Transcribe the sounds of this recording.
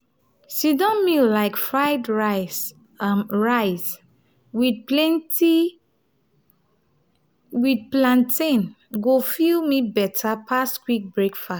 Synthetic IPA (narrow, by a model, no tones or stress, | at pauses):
sidɔ̃nmillaɪkfɹaɪdɹa | ɹaɪs | wid̚plɛ̃nti | wid̚plãntʰẽn | ɡofilmibɛtʰapʰaskwik̚bɹekfa